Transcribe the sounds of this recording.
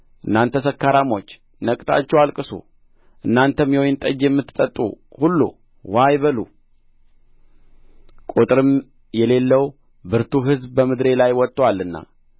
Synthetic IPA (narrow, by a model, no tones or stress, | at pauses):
ʔɨnːant̪ʰːəsəkːaɾamo̞t͡ʃː | nəkʼt̪ʰa̰t͡ʃːɛwalkʼɨsṵ | ʔɨnːant̪ʰəmjɛojɪnt̪ʼəd͡ʒjɛmːɨt̪ːɨt̪ʼət̪ʼṵ | hulːṵ | wajβəlu | kʼut̪ʼɾɨm | jɛle̞lːəw | bɨɾt̪ʰuɦɨzbbəmɨd̪ɾe̞lajwɔt̪ʼːwalːɨnːa̰